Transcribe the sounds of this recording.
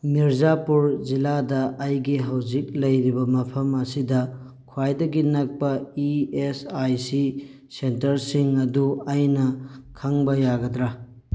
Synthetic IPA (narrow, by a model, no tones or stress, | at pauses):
miɾzapuɾziladɐʔːjɡiɦawzik̚lɐjɾibɐmɐpʰɐmɐsidɐ | kʰwajdɐɡinɐk̚pɐiesajsi | sentɐɾsiŋɐduɐjnɐkʰaŋbɐjaɡɐdɾa